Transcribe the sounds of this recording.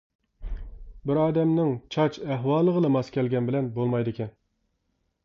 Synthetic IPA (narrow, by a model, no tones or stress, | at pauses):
bɪɾɑːd̪ɛmnɪŋt͡ʃʰɑt͡ʃɛɦwɑːlˠːəʁəlˠɨmɑskʲɛlɡʲɛnbɪlɛnbolˠmɑjd̪ɨkʲʰɛn